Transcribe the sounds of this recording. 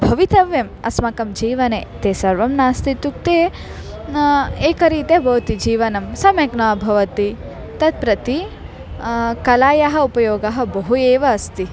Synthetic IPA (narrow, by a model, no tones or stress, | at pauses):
bʱɐʋit̪ɐʋjɐmɐ̰smɐkɐmd͡ʒiːʋɐneːt̪eːsɐɾʋɐmnaːst̪it̪uk̚t̪e | eːkɐɾiːt̪jɐɦbʱɐʋt̪id͡ʒiːʋɐnɐmsɐmɐknaːbʱɐʋɐt̪i | t̪ɐt̪̚pɾɐt̪i | kɐlaːjɐɦɐ̆upɐjoːɡɐɦɐ̆bɐɦueːʋɐːst̪i